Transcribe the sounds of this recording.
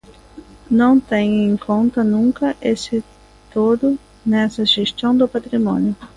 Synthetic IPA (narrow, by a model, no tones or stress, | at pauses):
nɐ̃w̃t̪ẽɲẽŋkʰõnt̪ɐnũŋkɐʔesɪ | t̪od̪ʊ | nɛsɐʒest̪ɐ̃w̃d̪ʊpat̪ɾimõ̰njʊ